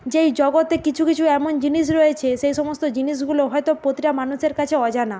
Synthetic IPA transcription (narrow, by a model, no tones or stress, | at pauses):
d͡ʑejd͡ʑɔɡot̪ekit͡ɕʰukit͡ɕʰuɛmond͡ʑiniʃ̬ɾoet͡ɕʰeʃejʃɔmost̪od͡ʑiniʃ̬ɡuloɦɔet̪opɾot̪iɾamanuʃeɾkat͡ɕʰeɔd͡ʑana